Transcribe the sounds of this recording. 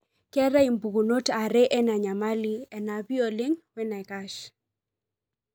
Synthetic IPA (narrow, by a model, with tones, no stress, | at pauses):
kɛ˦ɾa˦i˨mbu˨ɡu˨no˦ta˨ɾɛ˦ʔɛ˦na˨ɲa˨ma˦li˦ɛ˨na˨bi˦ɔ˨le˦ŋwɛ˦na˨ka˦ʃ